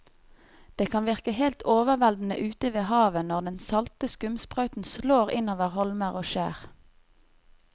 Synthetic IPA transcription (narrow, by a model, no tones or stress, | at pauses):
d̪̥eːkʰɑnʋɪʁkəhelt̪ʰoːʋəʁʋɛld̪n̩ə̰ʔʉːt̪əʋeːhɑːʋənɔʁd̪ɛnsɑlt̪əskʉmspʁœʏt̪n̩sloːʁɪ̰noːʋəʁhɔlməʁoːʃæ̰ːʁ